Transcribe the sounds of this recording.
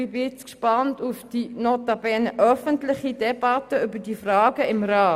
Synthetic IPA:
ibɪt͡skʃpɑntufd̥inotɑbɛːnʔœfəntlɪχidɛbɑtəʏbədifrɑːɡəɪmrɑː

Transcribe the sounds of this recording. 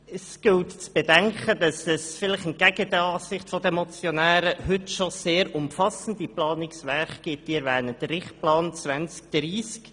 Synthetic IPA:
ɛsɡ̥ɪltt͡sb̥ɛdɛŋkəd̥ɑsɛsfɪlɪχən̚ɡ̥æɡ̥ədəɑːsɪχtfɔdəɛmɔt͡sjonæːɾəhʏtʃoseːɾʊmfɑsəndiplɑːnɪksʋɛːχɡ̥ɪt̚d̥iɛɾvɛːnəd̥ərɾɪχt̚plɑːnt͡svʋɛnt͡sk̚d̪̥ɾiːsk

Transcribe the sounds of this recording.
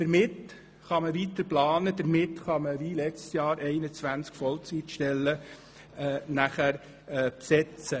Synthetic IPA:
d̥əɾmɪt | χɑməʋit̪əɾplɑːnəd̥̪əɾmɪt̪χɑməʋilɛt͡stsjɑːɾʔɛɪnət͡sʋænskfɔlt͡sitʃtɛlːə | næχæɾ | psɛt͡sə

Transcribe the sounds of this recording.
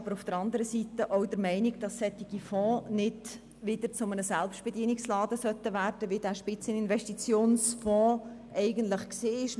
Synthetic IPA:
ɑbəɾʊfd̪̥əɾɑnd̪əɾəsit̪əʔɔʊd̥əɾmɛɪnɪɡd̥ɑsːɛt̪ːiɡ̥ifɔ̃ːnɪd | ʋɪd̥̪əɾt͡sʊmənəsælpʃtb̥ediənɪkslɑːdəsœtːəʋæːɾd̥əʋid̥æːʃpɪt͡sənɪnvɛʃtit͡sjoːnsfɔ̃ː | ʔɛɪɡənt̪ləχkseːɪʃ

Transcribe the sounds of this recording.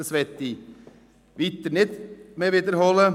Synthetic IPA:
əsʋɛt̪ːi | ʋɪt̪ːəɳɪt̪meʋɪt̪əɾhɔlə

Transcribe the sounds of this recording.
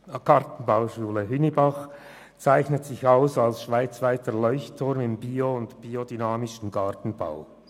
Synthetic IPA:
ɡ̥ɑʁtn̩baʊʃuːləɦʏnibɑχ | t͡saɪçnətsɪçaʊsalsʃv̥aɪt͡svaɪtəlɔʏçtʰʊʁmɪmbiːoʊntb̥iːodynaːmɪʃn̩ɡɑʁtn̩ba̰ʊ

